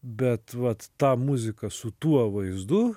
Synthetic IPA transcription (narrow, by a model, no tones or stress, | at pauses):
bʲɛt̪ʋɐt̪t̪ɑːmʊzʲɪkɐsʊt̪uɔʋɐɪzd̪ʊ